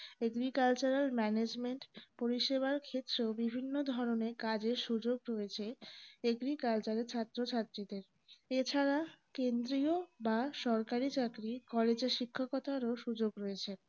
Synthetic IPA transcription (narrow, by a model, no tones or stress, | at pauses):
eɡɾikalt͡ɕuɾalmɛned͡ʑmeɳʈpoɾiʃeβaɾkʰet̪ːɾeobibʱinːod̪ʱɔɾoneɾkad͡ʑeɾʃud͡ʑoɡɾoet͡ɕʰeeɡɾikalt͡ɕaɾeɾt͡ɕʰat̪ːɾot͡ɕʰat̪ːɾid̪eɾ | et͡ɕʰaɾakend̪ɾiobaʃɔɾkaɾit͡ɕakɾikɔled͡ʑeɾʃikʰːokɔt̪ʰaɾoʃud͡ʑoɡɾoet͡ɕʰe